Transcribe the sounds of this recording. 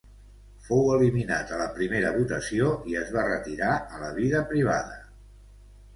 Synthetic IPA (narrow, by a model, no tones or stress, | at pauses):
fowəlimina̰t̪ələpɾimeɾəβut̪əsioiəzβ̞arət̪iɾaələβ̞iðəpɾiβ̞a̰ðə